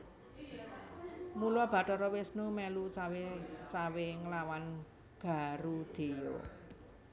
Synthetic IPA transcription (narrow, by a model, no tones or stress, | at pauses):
nuluab̥a̤ʈɔɾɔwɪsnumɛlut͡ʃawet͡ʃaweŋəlawan | ɡ̥a̤ɾud̪̥e̤jo̰